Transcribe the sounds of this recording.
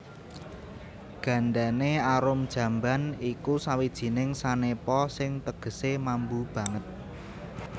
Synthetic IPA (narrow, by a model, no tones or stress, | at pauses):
ɡ̥ä̤ɳɖaneaɾʊmd̥ʒ̥ä̤mbanikusawid̥ʒ̥i̤nɪŋsanepɔsɪŋt̪əɡ̥ə̤semambub̥ä̤ŋət̪̚